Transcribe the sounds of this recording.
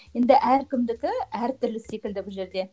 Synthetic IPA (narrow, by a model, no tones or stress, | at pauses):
je̞nd̪ɪʔæɾkʲʰɪmd̪ɪkʲɪæɾt̪ʰʏɾlɪse̞kʲɪld̪ɪbʊlˠʒe̞ɾd̪e̞